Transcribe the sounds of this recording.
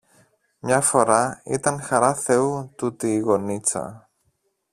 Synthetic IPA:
mɲɐfo̞ɾɐḭt̪ɐŋxɐɾɐθe̞ut̪ut̪iːɣo̞nit͡sɐ̰

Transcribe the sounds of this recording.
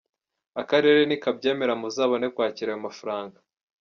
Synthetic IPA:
akaɾe̞ɾe̞nikabɟe̞ːme̞ɾamuzaːβone̞kwaːciɾajomafaɾaːŋɡa

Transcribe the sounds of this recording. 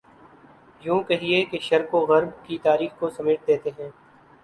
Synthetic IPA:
jũːkɛɦiekeʃɐɾkoɣɐɾbkit̪aːɾiːxkosɐmɪːʈ̚d̪eːt̪eɦɛ̃ː

